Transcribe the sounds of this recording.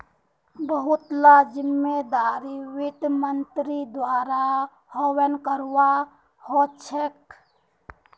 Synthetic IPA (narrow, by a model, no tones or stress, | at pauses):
bəɦut̪lad͡ʒɪmːed̪aːɾiwɪt̪mənt̪ɾid̪waːɾa | hɔwənkəɾwa | hot͡ʃʰek